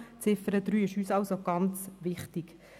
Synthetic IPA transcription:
t͡sɪfəɾəd̪ɾyːɪʃyːsɑlsoɡ̥ɑnt͡sʋɪχtiɡ

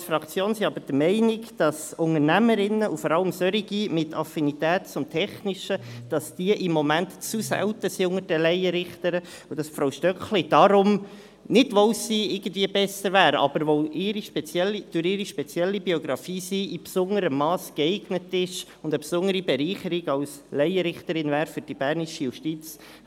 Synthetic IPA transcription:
sfɾɑkt͡sjoːnsiɑbəɾd̥əmɛɪnɪkd̥ɑsʊŋəɾnæməɾɪnːəʔufɔɾɑləmsœɾiɡimɪtʰɑfinitɛːtt͡sʊmtʰɛχnɪʃəd̥ɑsd̥iːəʔɪmːɔmæntt͡susæ̰wtəsiʊŋəɾd̥əlɛɪəɾɪχtəɾə | ud̥ɑsfɾaʊʃtœkχlid̥ɑɾʊm | nɪdʋowsiːɪɡ̥ən̩dviəbɛsəɾvæːɾɑ̰b̥əɾʋoʔɪɾiʃpɛt͡sjɛlid̥ʊɾɪɾiʃpɛt͡sjɛlːibioɡɾɑfiːsiʔipsʊŋəɾəmːɑːsɡ̥ɛɪɡnətɪʃ | ʊndəpsʊnəɾibɛɾiːχəɾiɡɑws | lɛɪəɾɪχtəɾɪnvæːɾfʏɾd̥ib̥æɾniʃijuʃtit͡s

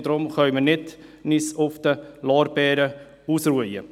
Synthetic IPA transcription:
dɾʊmχœʏmənɪtnisʊfd̥̪əlɑːɾbɛːɾə | uːsruəjə

